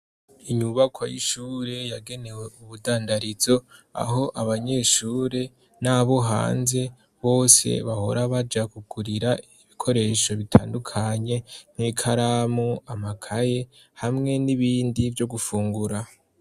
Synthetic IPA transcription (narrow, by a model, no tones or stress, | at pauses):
iɲuβakwajḭʃuːɾe̞jaɡe̞ne̞we̞uβudaːndaɾizo̞a̰ɦo̞ʔaβaɲe̞ʃuːɾe̞ | naːβo̞ɦa̰ːnze̞ | βo̞ːse̞̰βaho̞ɾaβad͡ʒakuɡuɾiɾaiβikʰo̞ɾe̞ːʃo̞βitʰa̰ːndukʰaɲe̞n̥hikʰaɾaːmuamakʰaje̞ | hamŋe̞niβiːndivjo̞ɡufuːŋɡuɾa